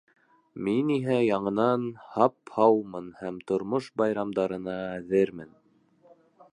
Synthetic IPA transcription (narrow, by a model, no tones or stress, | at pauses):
miniɦæjɑɴɤ̆nɑnhɑphɑwmɤnhæmt̪ŏɾmoʃbɑjɾɑmd̪ɑɾɤ̆nɑæðɘɾmɘn